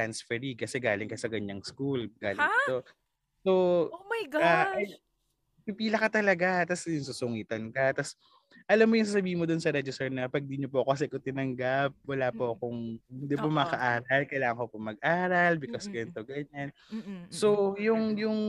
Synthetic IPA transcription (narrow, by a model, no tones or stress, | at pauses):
t̪ansfɛɾikɐsɛɡaːlɪŋkɐsɐkɐɲaŋskulɡaːlɪo | somɐjɡɐaɐj | pɪpiːlɐkɐt̪ɐlɐɡat̪asjʊnsuːsʊŋiːt̪ɐnkɐt̪as | ʔɐlamːojʊŋs̬aːs̬ɐbiːhɪnmod̪ʊnsɐɾɛd͡ʒɪsɛɹnɐpɐɡ̚d̪iɲopoɐkoɐs̬ɛkot̪ɪnɐŋɡap̚wɐlaːpoʔɐkoŋɪnd̪ipomɐɐkɐʔaːɾɐlkɐjlaːŋɐŋkopomɐɡ̚ʔaːɾɐlbɪkɐskɐjɐnt̪oɡɐɲan | so̞jʊŋjʊŋ